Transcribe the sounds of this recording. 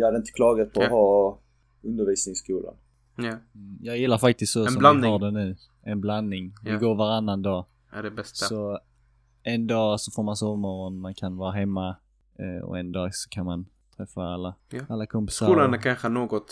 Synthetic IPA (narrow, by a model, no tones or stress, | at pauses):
jɑhad̪əɪnt̪ə̥kʰlɑːɡat̪̚pʰɔhɑː | ɵnd̪əɾviːsnɪŋskuːla̰n | jɑːɡjɪlːaɾfak̚t̪ɪst̪sɔsɔmlaɑːɾd̪ɛnʉ̟ː | ɛnblanːɪŋvɪɡoːɾvaɾanːand̪ɑː | æɖɛbɛstsɔ | ɛnd̪ɑːsɔfoːɾmansɔvmɔɾɔnmankʰanvɑːɾaɦɛmːa | ɔ̰ɛnd̪ɑːɡsɔ̥kʰanman | t̪ʰɾɛfːaalːaalːakʰɔmpɪ̥saɾuːlanakʰanɧənoːɡɔt̪